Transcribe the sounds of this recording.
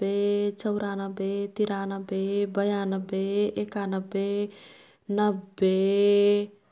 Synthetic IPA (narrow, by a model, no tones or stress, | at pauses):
bet͡səwɾanəbet̪iɾanəbebəjanəbeekanəbe | nəbe